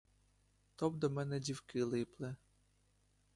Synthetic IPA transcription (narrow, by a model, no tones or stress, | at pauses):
t̪ɔb̚d̪ɔmɛnɛdʲiwkɪlˠɪplˠɛ